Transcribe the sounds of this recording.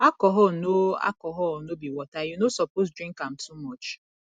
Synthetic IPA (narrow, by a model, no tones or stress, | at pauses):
akɔɦɔnoa̰kɔɦɔɔnobiwɔtajunosɔpos̬dɾĩŋkamtʰumɔt͡ʃ